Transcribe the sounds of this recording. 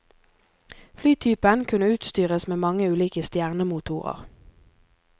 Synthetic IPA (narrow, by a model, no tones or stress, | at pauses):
flyːt̪ʰyːpənkʰʉnəʉːt̪st̪yːʁəsmeːmɑŋəʉːliːkəst̪jæːʁnəmut̪ʰuːʁə̰ʁ